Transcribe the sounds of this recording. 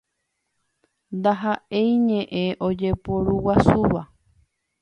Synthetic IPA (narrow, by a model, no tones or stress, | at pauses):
nd̪aɦaʔe̞jɲẽʔẽʔo̞d͡ʒe̞poɾuwasuʋa